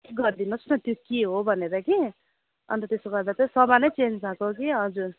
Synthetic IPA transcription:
ɡʌɾd̪inʌnʌt̪jokeɦobʱʌneɾʌki | ʌ̰nt̪ʌt̪esoɡʌɾd̪at̪ʌsʌbanʌjt͡send͡zd͡zakokiɦʌd͡zuɾ

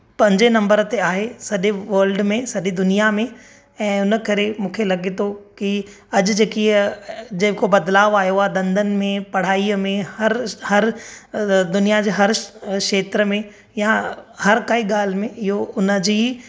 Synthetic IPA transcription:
pɐ̃ɲd͡ʑenɐ̃mbəɾt̪eaːɦesɐɗeʋɐːɾlɖmẽsɐɗid̪ʊnijamẽ | ɛ̃ːʊnəkɐɾemũːkʰelɐɠet̪ʰoki | ɐʄd͡ʑeːkid͡ʑɐkobɐd̪laːʋaːjoaːd̪ɐ̃nd̪ʱən̆mẽpɐɽ̤aːimẽhɐɾhɐɾ | d̪ʊnijad͡ʑeɦɐɾkʃeːt̪ɾəmẽ | jahɐɾkaiɠaːl̤mẽɪɦoʊnəd͡ʑiː

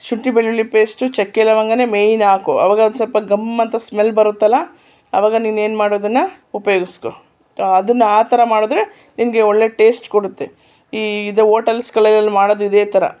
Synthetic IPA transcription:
ʃuʈːibeɭːulːipe̞ːsʈut͡ʃɛkːɛlɐʋɐŋɡɐne̞ːmejnaːko̰ʔɐ̰ʋaːɡɐd̪usɐlpɐɡɐmɐnt̪ɐsmelbɐɾut̪ːɐlːɐ | ɐʋaːɡɐnine̞ːnmaːɽod̪ɐnːɐ | upɐjoːɡisko | ɐd̪ɐnːɐaːt̪ɐɾɐmaːɽod̪ɾe̞ | nimɡe̞oɭːe̞ʈe̞ːsʈkoɽut̪ːe | iːid̪eɦoːʈɐlskɐɭɐlɐlːimaːɽoːd̪uid̪eːt̪ɐɾɐ̰

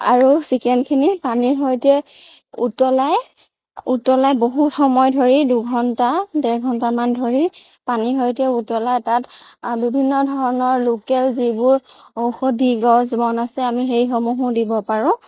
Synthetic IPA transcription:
a̰ɹusikɛndkʰinipaniɹɦɔjtɛ | ṵtɔlaj | utɔlajboɦutxɔmɔjdʱoɹiduɡʱɔntadɛɹɡʱɔntamandʱoɹi | paniɹɦojtɛutɔlajtatbibʱinːɔdʱɔɹɔnɔɹlokɛlzibʊɹowxodiɡɔzbɔnasɛamixejxomuɦudibɔpaɹʊ̃

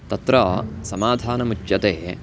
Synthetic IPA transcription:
t̪ɐt̪ɾɐsɐmaːd̪ʱaːnɐmut͡ʃjɐt̪eː

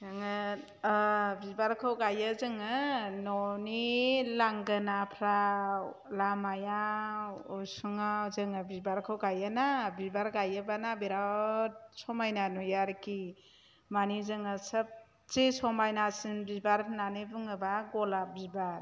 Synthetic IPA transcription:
zaŋɯ | bibaɾkʰawɡajəzɯŋɯnɔnilaŋɡɯnapʰɾa | lamaja | ɔsuŋazɯŋɯbibaɾkʰawɡajanabibaɾɡajɯbanabeɾa | sɔmajnanujaɾki | manizɯŋɯsəp̚ | t͡ʃesɔmajnasɯnbibaɾpʰnanɯbuŋɯbaɡɔlabibaɾ

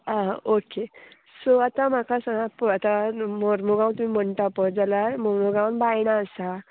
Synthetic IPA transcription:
ãoke | soat̪am̤akasaãpat̪amoɾmoɡãwnt̪um̤im̤əɳʈapəd͡zalaɾmoɾmoɡãwnbajɽ̃aəsa

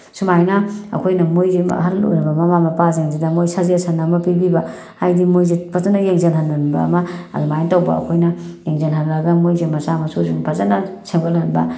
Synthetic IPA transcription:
sumajnɐɐ̰kʰojnɐmojzḛhɐlo̰jɾɐbɐmɐmamɐpazeŋzidɐmojsaziɐsʰanːamɐpibibɐ | ajdimojzepʰazanɐjeŋzenhɐnːɐnbɐ̰ːmɐɐ̰dumajntawbɐ̰ɐ̰kʰojnɐjeŋzenɦɐnɾɐɡɐmojzemɐsamɐsuziŋpʰazanɐsʰebalɐnbɐ̰

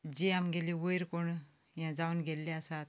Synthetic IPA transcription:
d͡ʑiamɡeliːʋəjɾkoɳ | jãd͡zaʋunɡʱelːeasat̪̚

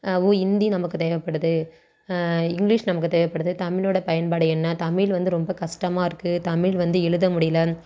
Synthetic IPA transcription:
uːɪnd̪inɐmɐkːɯt̪eːʋɐpːɐɽɯðɯ | ɪŋɡlɪʂnɐmɐkːɯt̪eːʋɐpːɐɽɯðɯt̪ɐmɪɭoːɽɐpɐjɐnpaːɽɯɛnːaːt̪ɐmɪlʋɐnd̪ɯɾɔmbɐkɐʂʈɐmaːɪɾɯkːɯt̪ɐmɪlʋɐnd̪ɯɛɻɯðɐmʊɽɪjɐlɐ

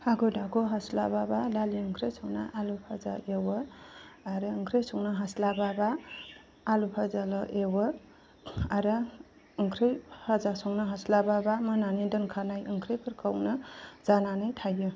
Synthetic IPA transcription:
haɡɯdaɡoɦaslababadaliɯŋkʰɾejsɔŋna̰ʔalupʰaza̰ʔewɔaɾɯɯŋkʰɾejsɔŋnaɦaslababaː | lupʰazalɔʔewɔ | aɾa | ɯŋkʰɾejʰazasɔŋnaɦaslababamananidɯnkʰanajɯŋkʰɾepʰɯɾkʰawnɯzananajtʰajɯ

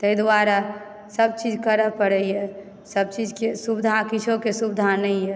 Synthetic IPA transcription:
t̪əjd̪waɾa | səb̚t͡ʃid͡ʒkəɾəpəɽɛjɛ | səb̚t͡ʃid͡ʒkesubid̪ʱakit͡ʃʰokesubɪd̪ʱanəjɛ

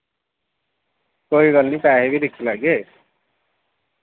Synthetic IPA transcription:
koːiɡəlnĩːpɛːɦebʱid̪ɪkʰilaɡeː

